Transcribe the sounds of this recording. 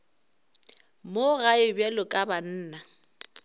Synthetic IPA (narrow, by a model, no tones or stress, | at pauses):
moɣaɪbjɛlɔkʼaban̩ːna